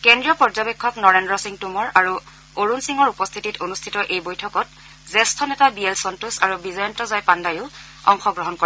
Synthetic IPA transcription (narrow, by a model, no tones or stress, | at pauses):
kendɹijɔpɔɹzɔbekʰːɔknɔɹendɹɔsiŋtumɔɹaɹu | oɹunsiŋɔɹupɔst̪ʰititʰonustʰitɔʔejbojtʰɔkɔt | zɛstʰɔnɛtabielsɔntusaɹubizɔɹɔntɔzajpandajʊ | ɔ̰ŋxɔɡɹɔɦɔnko